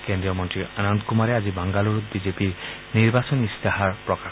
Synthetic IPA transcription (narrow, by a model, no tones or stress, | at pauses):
kendɹijɔmɔntɹiɹanand̪kumaɹɛazibaŋɡaluɹut̪̚bizepiɹ | niɹbasɔnistaɦaɹpɹɔka